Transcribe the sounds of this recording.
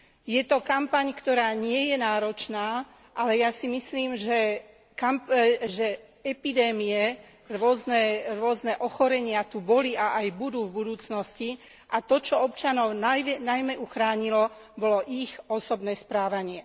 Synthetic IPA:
jɛt̪ɔkampaɲkt̪ɔɾaːɲɪɛjɛnaːɾɔt͡ʃnaː | ʔalɛjasimisliːmʒɛ | kamʒɛ | ɛpid̪ɛːmiɛ | ɾʊɔznɛɾʊɔznɛʔɔxɔɾɛɲɪat̪ubɔliaʔajbud̪uːvbud̪uːt͡snɔsci | ʔat̪ɔt͡ʃɔɔpt͡ʃanɔʊnajɛnajmɛʔuxɾaːɲilɔ | bɔlɔʔixɔsɔbnɛːspɾaːʋaɲɪɛ

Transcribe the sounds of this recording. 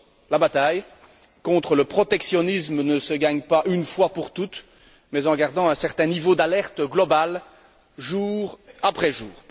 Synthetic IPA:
labat̪aj | kɔ̃t̪χələpχɔt̪ɛksjɔnismənəsəɡaɲpaʔynfwapuʁt̪ut̪ | mɛzɑ̃ɡaʁd̪ɑ̃ɛ̃sɛʁt̪ɛ̃nivod̪alɛʁt̪ɡlɔbal | ʒuːʁapχɛʒuːʁ

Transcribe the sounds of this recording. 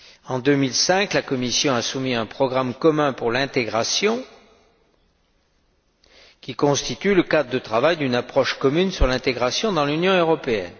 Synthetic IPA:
ɑ̃d̪ømilsɛ̃klakɔmisjɔ̃asumiɛ̃pχɔɡʁamkɔmɛ̃puʁlɛ̃t̪eɡʁasjɔ̃ | kʲikɔ̃st̪it̪yləkad̪ʁəd̪ət̪χavajd̪ynapχɔʃkɔmynsyʁlɛ̃t̪eɡʁasjɔ̃d̪ɑ̃lynjɔ̃øʁɔpeɛ̰n

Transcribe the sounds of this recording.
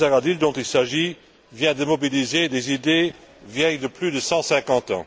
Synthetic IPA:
zaʁad̪ild̪ɔ̃t̪ilsaʒi | vjɛ̃d̪əmɔbilized̪ezid̪evjɛjd̪əplyd̪əsɑ̃sɛ̃kɑ̃t̪ɑ̰̃

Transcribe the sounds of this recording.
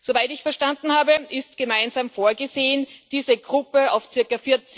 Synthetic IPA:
z̥ovaɪltɪçfɛɐʃtandn̩haːbəʔɪstɡ̥əmaɪnzaːmfoːɐɡəzeːənd̥iːzəɡ̥ʁʊpəa̰ʊft͡sɪɐkafɪɐt͡s

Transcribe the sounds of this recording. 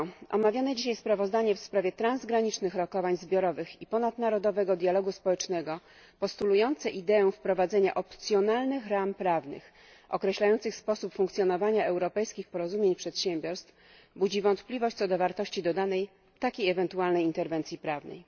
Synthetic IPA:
ʔɔ̰mavʲjanɛd͡ʑiɕajspɾavɔzd̪aɲɛfspɾavʲjɛt̪ɾanzɡɾaɲit͡ʂnɘxɾɔkɔvaɲzbʲjɔɾɔvɘxipɔnad̪naɾɔd̪ɔvɛɡɔd̪jalɔɡuspɔwɛt͡ʂnɛɡɔ | pɔst̪ulujɔnt̪sɛʔid̪ɛɛfpɾɔvad̪zɛɲa̰ʔɔpt̪sʲjɔnalnɘxɾampɾavnɘ̰x | ɔ̰kɾɛɕlajɔnt̪sɘxspɔsupfuŋkt̪sʲjɔnɔvaɲaɛwɾɔpɛjskʲixpɔɾɔzumʲjeɲpʂɛt̪ɕɛmbʲjɔɾst̪f | bud͡ʑivɔnt̪plʲivɔɕt͡ɕ̚tsɔd̪ɔvaɾt̪ɔɕt͡ɕid̪ɔd̪anɛj | t̪akʲejɛvɛnt̪ualnɛjint̪ɛɾvɛnt̪sʲjipɾavnɛ̰j

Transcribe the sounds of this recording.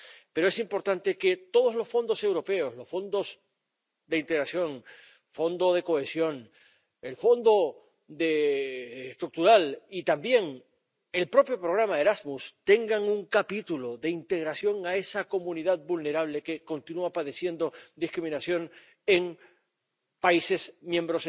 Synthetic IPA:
pe̞ɾoesimpo̞ɾt̪ant̪e̞ke̞t̪o̞ð̞o̞zlo̞sfo̞nd̪o̞se̞wɾo̞pe̞o̞slo̞sfo̞nd̪o̞s | d̪e̞int̪e̞ɣɾasjo̞ŋ | fo̞nd̪o̞ð̞e̞ko̞e̞sjo̞n | e̞lfo̞nd̪o̞ | d̪eː | st̪ɾuk̚t̪uɾalit̪ambje̞ŋ | e̞lpɾo̞pjo̞pɾo̞ɣ̞ɾamaeɾazmust̪e̞ŋɡaŋuŋkapit̪ulo̞ðe̞int̪e̞ɣɾasjo̞ŋae̞sako̞mũniðað̚bulne̞ɾaβ̞le̞ke̞ko̞nt̪inuapaðe̞sje̞nd̪o̞d̪iskɾimĩnasjo̞n | e̞ŋ | paise̞smjembɾos

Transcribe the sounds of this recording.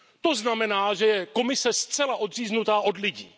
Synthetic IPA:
t̪o̞znamɛnaːʒɛjɛko̞mɪsɛst̪t͡sɛlaʔo̞d̪r̝iːznut̪aːʔo̞dlɪɟiː

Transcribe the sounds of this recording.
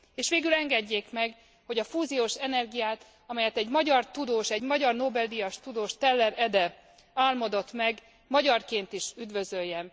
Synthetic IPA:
eːʃʋeːɡylɛŋɡɛɟːeːkmɛɡ | ho̞ɟɒfuːzijoːʃɛnɛrɡijaːt̪ | ɒmɛjɛt̪ɛɟmɒɟɒrt̪ud̪oːʃɛɟmɒɟɒrnoːbɛlːijɒʃt̪ud̪oːʃt̪ɛlːɛɾɛd̪ɛ | aːlmod̪o̞t̪mɛɡ | mɒɟɒrkeːnt̪iʃyd̪ʋø̞zø̞jːɛn

